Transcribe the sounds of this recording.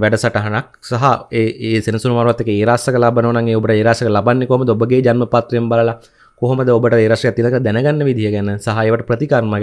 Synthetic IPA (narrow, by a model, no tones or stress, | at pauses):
ʋɛɖəsaʈəɦanak̚ | saɦaeːeːsenɐsunumaːɾʋat̪ːekəeːɾaːsɐkəlabənəʋənaŋeːobəʈəeːɾaːsəkəlabanːekoɦoməd̪əobəɡeːd͡ʒanməpaːt̪ɾembaləla | koɦoməd̪əobəʈəeːɾaʂʈejat̪ːinakələd̪ænəɡanːəʋid̪ʱijəɡænəsaɦaeːʋəʈəprət̪ikarmaɡ